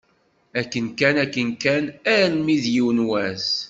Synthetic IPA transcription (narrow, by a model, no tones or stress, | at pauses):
ækːənkænækːənkænæɾmiðjiwnwæs